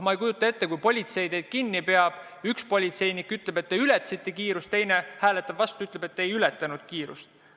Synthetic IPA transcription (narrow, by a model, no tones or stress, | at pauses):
mɑejkujut̪ːˑɑe̞t̪ːe̞kujpo̞lʲit̪se̞jd̪e̞jd̪̥̚kinːipe̞ɑb̥ | ykspo̞lʲit̪se̞jnikːˑyt̪ːˑlebe̞t̪ːeyle̞t̪ːˑsit̪ːe̞kiːɾust̪ːe̞jnehæːle̞t̪ːˑɑbvɑst̪uyt̪le̞be̞t̪ːeejylɛt̪ːˑɑnud̪̥kiːɾust̪